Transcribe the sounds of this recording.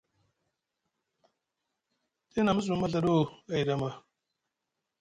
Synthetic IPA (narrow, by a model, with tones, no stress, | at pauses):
ti˦na˨mə˦z̬u˨ma˦ɮa˨ɗo˦a˨i˨ɗa˨ma˨